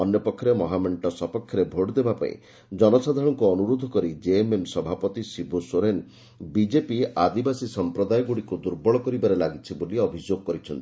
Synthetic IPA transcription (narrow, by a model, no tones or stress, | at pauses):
ɔnjɔpɔkʰːjɔɾemɔɦameɳʈɔsɔpɔkʰːjɔɾebʱoʈd̪ebapa̰ḭ̃ | d͡ʒɔnɔsad̪ʱaɽ̃ɔŋkuɔnuɾod̪ʱɔkɔɾid͡ʒeememsɔbʱapɔt̪isibusoɾen | bid͡ʒepiad̪ibasisɔmpɾɔd̪ajɔɡuɽikud̪uɾbɔɭɔkɔɾibaɾelaɡit͡ʃʰiboliɔbʱid͡ʒoɡɔkɔɾit͡ʃʰɔnt̪i